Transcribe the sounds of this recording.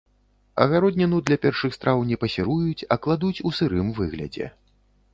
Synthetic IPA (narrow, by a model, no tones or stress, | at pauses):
ɐ̰ɣaɾɔd̪ʲnʲɛnud̪lʲɐpʲɛrʂɨxst̪ɾʔawnʲɛpɐsʲɛɾujut͡sʲɐklˠad̪ut͡sʲusɨɾɨmvɨɣlʲɐ̰d͡zʲɛ̰